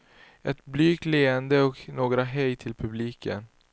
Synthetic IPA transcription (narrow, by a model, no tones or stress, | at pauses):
ʔɛt̪blyːkleːənd̪əɔknoːɡɾaɦɛjt̪ʰɪlpʰɵbliːkʰə̰n